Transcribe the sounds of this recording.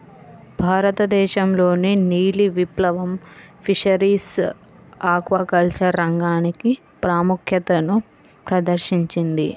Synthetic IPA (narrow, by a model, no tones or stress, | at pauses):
bʱaːɾɐt̪ɐd̪ɛːʃɐmlo̞ːniniːliʋiplɐʋɐmpʰiʂɐɾiːs | aːkʋɐkɐlt͡ʃɐɾːɐŋɡaːniki | pɾaːmukʰjɐt̪ɐnu | pɾɐd̪ɐɾʃiɲt͡ʃind̪i